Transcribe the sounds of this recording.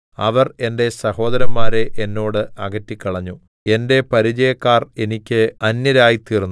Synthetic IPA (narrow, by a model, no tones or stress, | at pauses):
ɐʋɐre̞nde̞sɐho̞ːd̪ɐɾɐmːaːɾe̞ʔenːo̞ːɽɨʔɐɡɐtːikʲːɐɭɐɲːu | e̞nde̞pɐɾid͡ʑɐjɐkːaːre̞nikʲːɨɐnjɐɾaːjit̪iːrnː